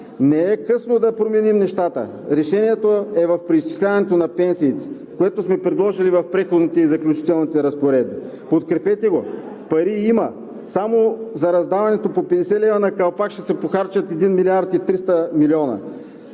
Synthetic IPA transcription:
nɛɛkɤsnod̪ɐpɾomɛnimnɛʃt̪at̪ə̰ | ɾɛʃɛniɛt̪oɛvɐfpɾiist͡ʃi̥slʲavɐnɛt̪onɐpɛnsiːt̪ɛ̥ | koɛt̪osmɛpɾɛd̪lˠɔʒilivɐfpɾɛxod̪nit̪ɛizɐklʲut͡ʃi̥t̪ɛlˠnit̪ɛɾɐspoɾɛd̪̚bi | pot̪kɾɛpɛt̪ɛɡo | pɐɾiimɐ | samozɐɾɐzd̪avɐnɛt̪opopɛd̪ɛsɛlɛvɐnɐkɐlˠpakʃt̪ɛsɛpoxaɾt͡ʃɐt̪ɛd̪inmilʲiaɾt̪it̪ɾist̪əmiliɔnɐ̰

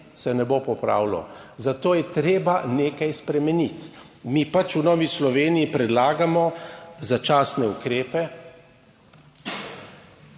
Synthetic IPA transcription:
sɛnɛbopɔpɾa̰ːwlɔ̰ | zat̪oːjɛt̪ɾeːbaneːkajspɾɛmɛnit̪ | mipat͡ʃunɔːʋislɔʋeːniːpɾɛd̪laːɡamɔzat͡ʃaːsnɛukɾeːpɛ

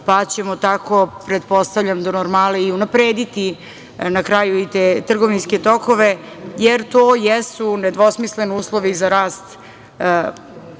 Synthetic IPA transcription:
pat͡ɕemot̪ako̞pɾed̪po̞st̪avʎʲamd̪onoɾmaleiunapɾeːd̪it̪i | nakɾajuit̪eːt̪r̩ɡo̞ʋinsket̪o̞ko̞ʋe | jeɾt̪oːjɛsuned̪ʋo̞smisleniuːslˠo̞ʋizaɾaːst̪

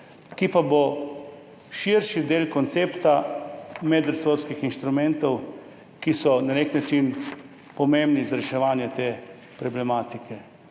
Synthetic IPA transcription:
kipabo | ʃiɾʃid̪eːlkɔnt̪seːpt̪amɛd̪ɾsoːɾskixinʃt̪ɾumɛnt̪ɔw | kisɔnaneknat͡ʃin | pɔmembnizaɾɛʃɛʋaːnjɛt̪eː | pɾɔblɛmaːt̪ikʰɛ

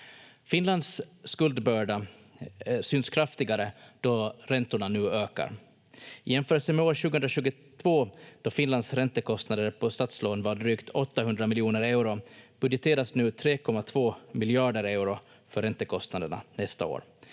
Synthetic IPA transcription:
fɪnland̪sːkɵld̪bœːɖa | syːnskʰɾaft̪ɪɡaɾəd̪̥ɔɾɛnt̪ʊɳanʉ̟ːøːka̰ɾ | ɪjɛnfœːɾəlsəmɛoːɾɕʉ̟ɡəɵnd̪ɾaɕʉːɡʊ | t̪ʰvoːd̪̥ɔfɪnland̪sɾɛnt̪əkʰɔst̪nad̪əɾpʰɔst̪at̪sloːnvaɖɾyːkt̪ʰɔt̪ːaɦɵnd̪ɾamɪljuːnəɾɛʉɾʊb̥ɵd̪jɛt̪ʰeːɾasnʉ̟ːt̪ʰɾeːkʰɔmːat̪ʰvoːmɪlɪɑːɖəɾɛʉɾʊ | fœɾːɛnt̪əkʰɔst̪nad̪əɳa̰nɛst̪a̰o̰ːɾ

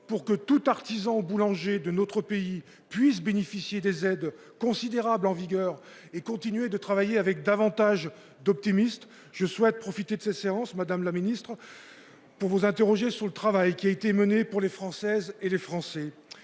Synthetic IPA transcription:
puʁkət̪ut̪aʁt̪izɑ̃bulɑ̃ʒed̪ənot̪χəpei | pɥis̬benefisjed̪ezɛd̪ | kɔ̃sid̪eʁablɑ̃viɡʲœʁ | ekɔ̃t̪inɥed̪ət̪χavajeavɛk̚d̪avɑ̃t̪aʒ | d̪ɔp̚t̪imist̪ | ʒ̥əswɛt̪̚pχɔfit̪ed̪əsɛt̪seɑ̃smad̪amlaminist̪χ | puʁvuzɛ̃t̪eʁɔʒesyʁlət̪χavajkʲiaet̪emənepuʁlefχɑ̃sɛzelefχɑ̃sɛ

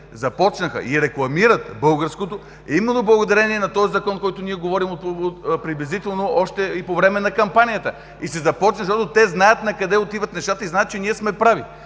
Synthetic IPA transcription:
zɐpɔt͡ʃnəxə̰ʔiɾɛklˠɐmiɾət̪bɤlˠɡəɾskot̪o | ɛimɛnːoblˠɐɡod̪ɐɾɛniɛnɐt̪ɔzizɐkɔnkɔjt̪ʊniɛɡovɔɾimoot̪pɾiblʲɛzit̪ɛlˠnoɔʃt̪ɛipovɾɛmɛnɐkɐmpanijət̪ə | isɛzɐpɔt͡ʃnəʃt̪ɔt̪ot̪ɛznajət̪nɐkɐd̪ɛot̪ivət̪nɛʃt̪at̪əiznajət̪̚t͡ʃɛniɛsmɛpɾavi

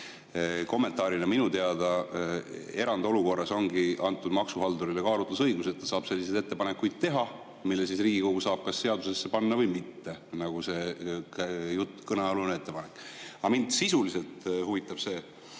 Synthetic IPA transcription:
ko̞mːe̞nt̪ˑɑːɾinɑminut̪eɑd̪ɑ | e̞ɾɑnd̪̥o̞luko̞rːɑso̞ŋɡiɑnt̪ːˑud̪̥mɑksuɦɑld̪uɾilekɑːɾut̪lusɤjɡ̥uset̪ːɑsɑːb̥se̞lːisejd̪e̞t̪ːepɑnekujd̪̥̚t̪e̞ɦɑ | milːesisriːɡ̥ikoɡ̥usɑːb̥̚kɑsːe̞ɑd̪̥use̞sːe̞pɑnːɑvɤjmit̪ːe̞nɑɡ̥use̞ | jut̪ːkɤneolunee̞t̪ːe̞pɑnekːˑɑmind̪sisulise̞lt̪huvit̪ːˑɑb̥se̞ː

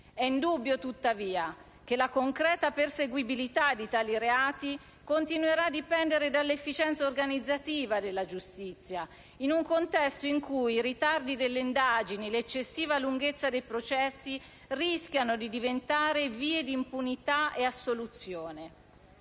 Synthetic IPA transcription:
ɛind̪ubːjot̪ut̪ːaviːa | k̟elakoŋkɾɛːt̪aperseɡwibilit̪ad̪ːit̪aːliɾeaːt̪i | kont̪inueɾad̪ːipɛnd̪eɾed̪alːefːit͡ʃɛnt̪saorɡanid̪zːat̪iːvad̪elːad͡ʒust̪it̪sːja | inuŋkont̪ɛst̪oiŋkujiɾit̪ard̪id̪elːeind̪aːd͡ʒinilet͡ʃːesːiːvaluŋɡet̪sːad̪ejpɾot͡ʃɛsːi | risk̟janod̪id̪ivent̪aːɾeviːed̪iːmpunit̪aʔeasːolut̪sjoːne

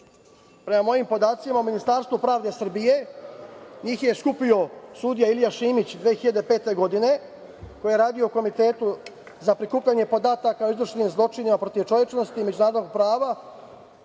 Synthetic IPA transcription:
pɾe̞mamo̞jimpo̞d̪aːt̪simauminist̪aːɾst̪ʋupɾaːʋd̪e̞sr̩bije̞ | ɲiːxjeskupio̞sud̪ijailijaʃiːmit͡ɕd̪ʋeːxiʎad̪e̞pe̞ːt̪e̞ɡo̞d̪ine̞ | ko̞jijeɾaːd̪ijo̞ko̞mit̪e̞ːt̪u | zapɾikuːpʎaɲe̞po̞d̪aːt̪akaoizɾuʃniːmzlˠo̞t͡ʃinimapɾo̞t̪iʋt͡ʃo̞ʋje̞t͡ʃno̞st̪iːme̞d͡ʑunaːɾod̪oɡ̚pɾaːʋa

